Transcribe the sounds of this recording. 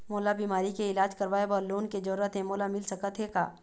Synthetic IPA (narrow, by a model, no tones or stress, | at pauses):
moːlabiːmaːɾikeɪlaːd͡ʒkɐɾʋaːebəɾloːnked͡ʒɐɾət̪ɦɛ̃moːlamɪlsɐkət̪ɦeka̰ː